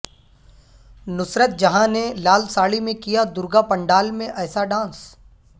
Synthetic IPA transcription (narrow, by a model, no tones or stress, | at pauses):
nʊsɾət̪̚d͡ʒɐɦãnelaːlsaːɭimẽkijad̪ʊɾɡapɐ̃ɳɖaːlmẽʔɛːsaɖãːns